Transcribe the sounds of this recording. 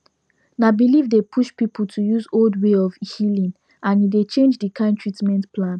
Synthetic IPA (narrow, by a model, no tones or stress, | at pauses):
nabilivdepʰuʃpipʰl̩tʰujuzoldweɔvhilĩn | ʔãnidet͡ʃẽnd͡ʒdikʰãntʰɹitmɛ̃ntpʰlãn